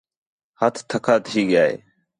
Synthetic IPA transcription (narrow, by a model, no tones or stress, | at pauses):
hət̪ʰt̪ʰːəkʰaːt̪iːɠɪjaːḛː